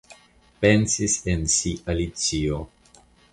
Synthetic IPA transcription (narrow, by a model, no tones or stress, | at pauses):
pensisensiʔalit͡sio